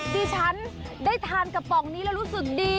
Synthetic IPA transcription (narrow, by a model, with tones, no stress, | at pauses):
t̪ʰiː˧t͡ɕʰa˦˥ndaː˥˩jt̪ʰaː˧nka˨˩p̚ːɔ˨˩ŋniː˦˥lɛ˦˥ɾuː˦˥sɯ˨˩k̚diː˧